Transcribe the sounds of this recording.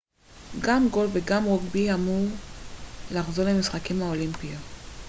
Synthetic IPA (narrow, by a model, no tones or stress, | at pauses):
ɡamɡo̞lveɡamʁoɡbiamuʁ | laχzo̞ʁlemisχakimhaolimpia